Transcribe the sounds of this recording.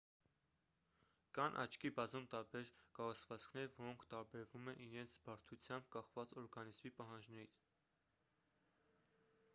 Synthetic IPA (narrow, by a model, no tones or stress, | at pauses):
kɑnʔɑ̰t͡ʃʰkibɑzumt̪ɑɾbɛɾkɑrut͡sʰvɑt͡skʰnɛɾvɔɾɔŋkʰt̪ɑɾbɛɾvumɛnʔiɾɛnt͡sʰbɑɾt̪ʰut͡sʰjɑmb̚kɑχvɑt͡sɔɾɡɑnizmipɑɦɑnd͡ʒnɛɾit͡sʰ